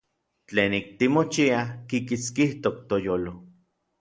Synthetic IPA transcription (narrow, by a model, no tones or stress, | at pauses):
t͡ɬeːnik̚t̪imot͡ʃiakikit͡skiht̪ok̚t̪ojoːlo